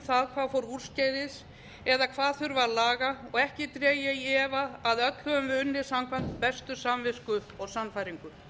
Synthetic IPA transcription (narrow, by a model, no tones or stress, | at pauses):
θaðkʰvaːðfowɾur̥scaːjðɪs | ɛðakʰvaːðθʏɾvalaːɣaɔɣɛhcɪt̪ɾɛːjɪjɛːvaːðœt̪l̥hœvʏmvɪʏnːɪ̥samkʰvan̥t̪pɛst̪ʏsamvɪskʏɔɣsanfajɾiŋkʏ